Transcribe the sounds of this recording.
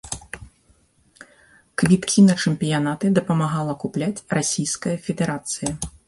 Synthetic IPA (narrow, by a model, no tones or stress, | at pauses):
kvʲit̪kʲinɐt͡ʂɨmpʲijanat̪ɨd̪ɐpɐmaɣalˠɐkuplʲat͡sʲrasʲijskɐjɐfʲɛd̪ɛɾat̪sɨjɐ